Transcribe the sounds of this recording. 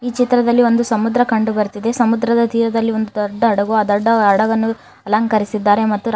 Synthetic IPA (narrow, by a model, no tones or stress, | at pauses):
iːt͡ʃit̪ɾɐd̪ɐlːio̞nd̪usɐmud̪ɾɐkɐɳɖubɐɾt̪id̪e̞sɐmud̪ɾɐd̪ɐd̪iːɾɐd̪ɐlːio̞nd̪ud̪ɔɖːɐːɽɐɡuaːd̪ɔɖːɐːɽɐɡɐnːu | ɐlɐŋkɐɾisid̪ːaːɾe̞mɐt̪ːu